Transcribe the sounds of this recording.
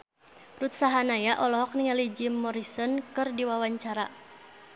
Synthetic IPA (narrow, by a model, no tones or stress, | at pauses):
rut̪saɦanajaʔɔlɔɦɔk̚niŋalid͡ʒimːɔɾisɔnkɨrdiwawaɲt͡ʃaɾa̰